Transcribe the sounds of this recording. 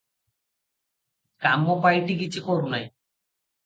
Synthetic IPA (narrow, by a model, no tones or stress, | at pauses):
kamːɔpajʈikit͡ɕʰikʰɔɾunaj